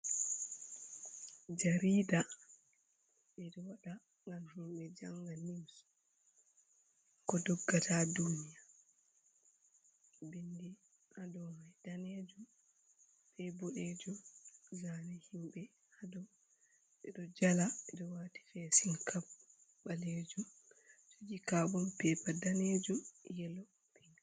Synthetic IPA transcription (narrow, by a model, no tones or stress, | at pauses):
d͡ʒaɾiːda | ʔɛɗɔwaɗa | ŋɡamhimɓɛd͡ʒaŋɡanims | kɔdɔɡːatʰadunija | bindi | ʔadɔmajd̥aneːd͡ʒum | fɛbɔɗed͡ʒumzanɛhimɓɛ | hadɔ | ʔɛɗɔd͡ʒalaɛɗɔwaːti̥fɛsiŋkʰab | baled͡ʒum | d͡ʒod͡ʒikaɓɔmpɛpadaned͡ʒumjɛlɔ | pʰiŋ